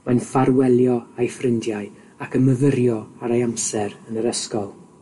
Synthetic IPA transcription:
majnfaɾwɛlˠjɔajfrɪndjaɨ | akʰənməvəɾjɔaɾajamsɛɾənəɾəskɔlˠ

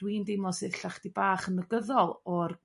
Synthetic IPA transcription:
d̥windejmɔsɨðɬaχd̥ibaːχənəɡəðɔlˠɔr

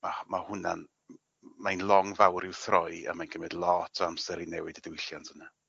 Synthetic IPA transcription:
mamahʊna̰n | majnlˠɔŋvawɾɪwθrɔja̰majnɡ̥əmɪdlˠɔtʰɔamsɛɾinɛwɪdədɪwɪɬjantʰəna

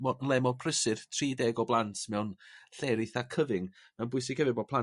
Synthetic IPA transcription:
mɔnlˠɛmɔpʰrəsɨr̥tʰriːdɛɡɔblˠantʰmɛwnɬɛɾɪθakʰəvɪŋ | mɛwnbʊɨs̬ɪɡ̥hɛvɨbɔpʰlˠa

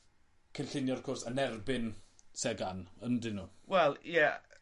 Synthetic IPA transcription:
kʰənɬɪnjɔɔ̥vkʰɔrsənɛrbɪnsɛɡanəndɪnuːwɛlˠjɛ

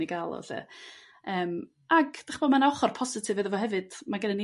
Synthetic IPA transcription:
iɡalˠɔ̰θɛ̰ | əːm | aɡd̥aχbɔdmanaɔχɔrpʰɔsɪtʰɨvɛðəvɔhɛvɨd̥maɡənəni

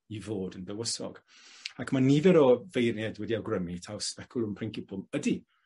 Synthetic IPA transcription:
ivoːdəndəwəsɔ̰ɡ̥ | akʰmanivɛɾɔvejrnɛdwɛdiawɡrəmitʰawspɛkʰʊlˠʊmpʰɪŋkɪpʰʊmədi

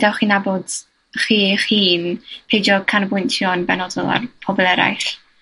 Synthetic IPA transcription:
dawχiːnaboːd̥ | χiːχiːnpʰejd͡ʒɔkʰanbʊntʰjɔnbɛnɔdɔ̰lˠa̰rpʰɔbɔlˠɛɾa̰jɬ

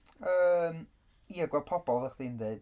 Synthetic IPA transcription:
əːm | iəɡwɛl̚ˠpʰɔbɔlˠðəχd̥indeɨd̥

